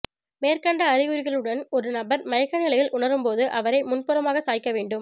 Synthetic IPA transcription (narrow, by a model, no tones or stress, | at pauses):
meːɾkɐɳɖɐːɾɪɣɯɾɪɣɐɭɯɽɐnɔɾɯnɐbɐɾmɐjɐkːɐnɪlɐjɪlʔʊɳɐɾɯmpoːðɯʔɐʋɐɾɐɪmʊnpɯɾɐmaːɣɐsaːjɪkːɐʋeːɳɖɯm